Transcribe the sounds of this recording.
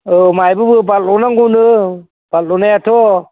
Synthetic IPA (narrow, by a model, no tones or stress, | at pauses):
ɯmajbɯbɯballɔnaŋɡunɯ | b̥allɔnajatʰɔ